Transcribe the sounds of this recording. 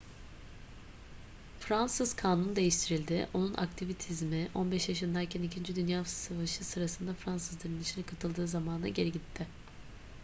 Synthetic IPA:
fɾansɯz̥kʰaːnund̪e̞jiʃt̪ʰiɾilʲd̪ɪʔo̞nunʔa̰kt̪ʰivit̪ʰizmɪʔo̞̰nbɛʃjaʃɯnd̪aɾcʰænicʰind͡ʒid̪ynjaːsavaʃɯsɯɾasɯnd̪afɾansɯzlˠaɾɯnit͡ʃʰinɛkʰat̪ʰɯlˠd̪ɯːzamaːna̰ɟe̞ɾiɟit̪ʰːɪ

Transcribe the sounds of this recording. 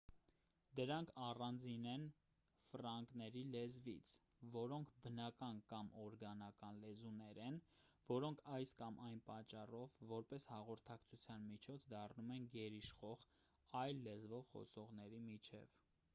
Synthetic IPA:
d̪əɾɑŋkʰɑrɑnd͡zinɛn | frɑŋɡnɛɾilɛzvḭt͡sʰ | vɔɾɔŋkʰbənɑkɑnkɑmɔɾɡɑnɑkɑnlɛzunɛɾɛnvɔɾɔŋkʰɑjskɑmʔɑjnpɑt͡ʃːɑrɔvːɔɾpɛshɑʁɔɾt̪ʰɑkt͡sʰut͡sʰjɑnmit͡ʃʰɔt͡sʰd̪ɑrnumɛnɡɛɾiʃχɔʁ | ɑjlːɛzvɔvχɔ̰sɔʁn̪ɛɾimit͡ʃʰɛ̰v

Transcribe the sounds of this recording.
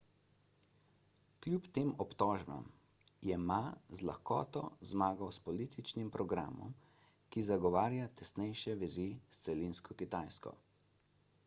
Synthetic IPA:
klʲjupt̪eːmɔpt̪ɔːʒba̰m | jɛmazla̰xkɔ̰ːt̪ɔ̰zmaːɡɐwspɔlit̪it͡ʃnimpɾɔɡɾa̰ːmɔ̰m | kizaɡɔʋaːɾjat̪ɛsnɛjʃɛʋɛzist̪sɛlinskɔkit̪aːjskɔ̰

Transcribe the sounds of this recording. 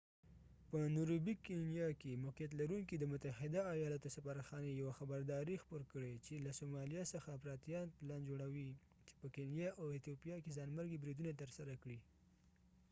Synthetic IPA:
pənuɾubikenjɑkemoqijat̪̬laɾuŋkid̪əmʊt̪ahɪd̪aːjɑlat̪osafaɾaxɑnejawaxabaɾd̪ɑɾexpoɾkəɽet͡ʃelasomɑlijɑsəxapɾɑt̪jɑnplɑnd͡ʒoɽawi | t͡ʃe̥pəkenjɑʔawɪt̪jopijɑkezɑnməɾɡibɾid̪unat̪əɾsaɾakɽi

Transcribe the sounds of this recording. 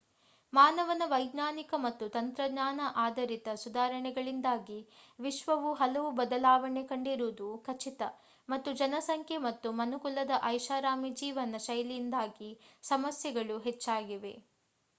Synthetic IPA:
maːnɐʋɐnɐʋɐjɡ̪naːnikɐmɐt̪ːut̪ɐnt̪ɾɐɡɲaːnɐʔaːd̪ɐɾit̪ɐsud̪aːɾɐɳɛɡɐɭind̪aːɡiʋiʃʋɐʋuɦɐlɐʋubɐd̪ɐlaːʋɐɳekɐɳɖiɾuːd̪ukʰɐt͡ʃit̪ɐ | mɐt̪ːud͡ʒɐnɐsɐŋkʰjemɐt̪ːumɐnukulɐd̪ɐʔɐjʃaːɾaːmid͡ʒiːʋɐnɐʃɐjlind̪aːɡisɐmɐsjɐɡɐɭuɦet͡ʃːaːɡiʋe̞̰

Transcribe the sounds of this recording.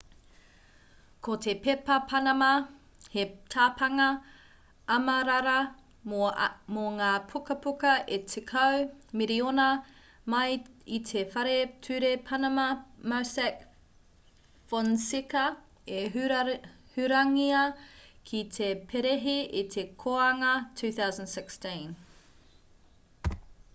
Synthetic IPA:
kʰotʰe̞pepɐpʰɐnɐmɐ | het̪ʰaːpʰɐŋɐ | ɐmɐɾaɾɐ | moŋaːpʰukɐpukɐʔetʰekʰɐwmiɾionɐ | mɐjitʰefɐɾetʰʉɾepʰɐnɐmɐmasɛk | fonsikɐ | eɦ | hʉɾɐŋiɐkʰit̪ʰepʰeɾeɦiʔit̪ʰe̞kʰoɐŋɐtʰʉːθawzə̃ndsɪkstĩn

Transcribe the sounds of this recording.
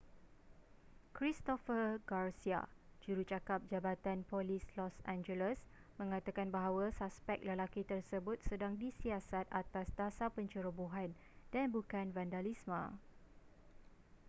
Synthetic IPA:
kɾist̪ɔfərɡarsia̰d͡ʒuɾut͡ʃakap̚d͡ʒabat̪anpɔlislɔsãnd͡ʒələs | mə̃ŋãt̪akanbaɦawasaspɛk̚ləlakit̪ərsəbʊt̪̚sədaŋdisiasat̪at̪asdasapəɲt͡ʃuɾəbuɦan | danbukanvandalismã̰

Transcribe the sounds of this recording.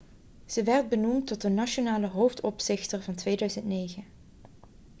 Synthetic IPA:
z̥əʋɛrd̚bənumtːɔtdənaʃonaːləɦowftɔpsɪχtəɹvɑntʋejdœɥzəntnejɣən

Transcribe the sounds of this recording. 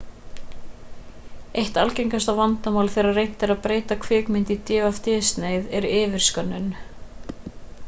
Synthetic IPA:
ejht̪alcejŋkast̪avant̪amawlθejɾaðrejn̥t̪ɛɾaðpɾeːjt̪akʰvɪːkmɪnt̪it̪jɛːvaft̪ɪːst̪nejðɛɾʏɪːvɪɾ̥skœnːʏn

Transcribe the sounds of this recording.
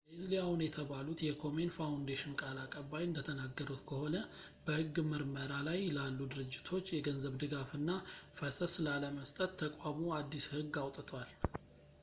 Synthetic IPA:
lɪzliawunjɛt̪ʰəβalut̪jɛkʰo̞menfawnd̪eʃɪnkʼalakʼəβːajɨnd̪ət̪ʰənaɡːəɾut̪kʰəho̞nə | bəhɨɡːmɨɾməɾalajlalːud̪ɨɾɨd͡ʒːɪt̪ʰo̞t͡ʃːjɛɡənzəβd̪ɨɡafɨnːafəsəslaləməst̪ʼət̪ʰːəkʼwamuad̪ːishɨɡːawt̪ʼt̪ʰwal

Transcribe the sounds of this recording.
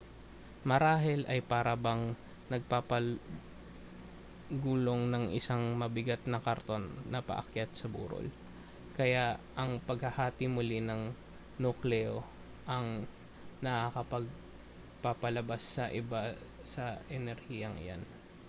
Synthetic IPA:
mɐɾaːɦɛlʔɐjpaːɾɐbɐŋ | nɐɡ̚papɐ | ɡuːlo̞ŋnɐŋʔɪ̰saŋmɐbɪɡat̪̚nɐkɐɾt̪o̞nnɐpɐ̰ʔɐ̰kjat̪̚sɐbṵːɾo̰l | kɐjaʔɐŋpɐɡhɐhaːt̪imʊlinɐŋ | nuklɛo | ʔɐŋ | nɐʔakɐpɐɡ̚ | papɐlɐbasːɐʔɪba | sɐʔɛnɛɾhijɐŋɪ̰ja̰n

